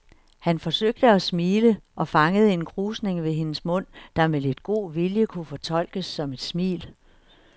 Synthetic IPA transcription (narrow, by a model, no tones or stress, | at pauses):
hænfɒ̽søɡ̥̚d̥əɒsmiːləʔɒ̽fɑ̈ŋəð̞̩ˠe̝nkʰʁuːsne̝ŋʋe̝ɦe̝nəsmɔ̽n̰d̥ɑ̈mele̝d̥ɡ̥o̝̰ːʋiljəkʰufɒ̽t͡sʰɒ̽l̰ɡ̥əsːɒ̽me̝d̥smḭːl